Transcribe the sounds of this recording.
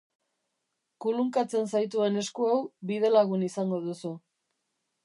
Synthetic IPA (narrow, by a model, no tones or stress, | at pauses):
kuluŋkat͡se̞nsajt̪̬ue̞ne̞skuawbið̞e̞laɣunisaŋɡo̞ðusu